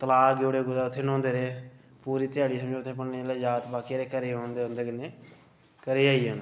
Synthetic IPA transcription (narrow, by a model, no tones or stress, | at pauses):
t̪əlaːɡoːɽeːɡʊzaːʊt̪ʰːeːnõːnd̪eːɾeː | puːɾiːt̪ɪjaːɽiːsəmd͡ʒẽːt̪ʰːẽːp̬ənneeːleːd͡ʒaːt̪baːkeːɾeːkəɾeːõːnd̪eːõːnd̪eːɡneː | kəɾeːaːiːɦən